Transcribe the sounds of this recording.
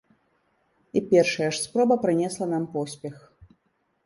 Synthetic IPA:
ipʲɛrʂɐjɐʂspɾɔbɐpɾɨnʲɛslˠɐnampɔsʲpʲɛx

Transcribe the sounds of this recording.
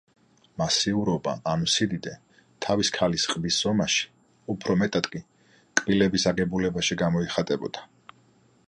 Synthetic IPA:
masiuɾɔba̰ʔːnusid̪id̪ɛ | t̪ʰaviskʰalisqʼbisz̥ɔmaʃi̥ | upʰɾɔmɛt̪ʼad̪̥kʼi | kʼb̥ilɛbisaɡɛbulɛbaʃiɡamɔiχat̪ʼɛbɔ̰d̪̥a

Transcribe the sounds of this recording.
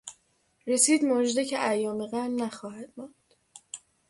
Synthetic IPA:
re̞siːd̪mod͡ʒd̪ecʰeʔæjɒːmeɣænnæxɒːhæd̪̥mɒːnd̪̥

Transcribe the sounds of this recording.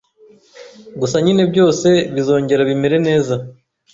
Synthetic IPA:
ɡusaɲine̞bjo̞ːse̞βizo̞ːɲɟe̞ɾaβime̞ɾe̞ne̞ːza

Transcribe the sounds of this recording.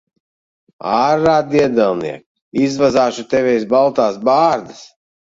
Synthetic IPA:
aːɾːaːd̪iɛd̪ɛlˠnḭɛk | izvazaːʃut̪ɛvɛjsbalˠt̪aːsbaːɾd̪as

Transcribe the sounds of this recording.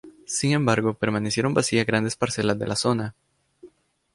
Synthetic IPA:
siŋẽ̞mbaɾɣo̞pe̞ɾmanesjeɾo̞mbasiaɣɾand̪e̞spaɾse̞lazd̪e̞̰lʔaso̞na

